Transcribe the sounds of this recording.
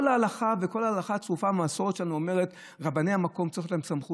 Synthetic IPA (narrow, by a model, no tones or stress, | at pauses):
olaːlaχaveko̞laːlaχat͡sʁufamaso̞ʁett͡ʃʃelanuome̞ʁet | ʁabanejamako̞mtt͡sʁixtlaemsamχu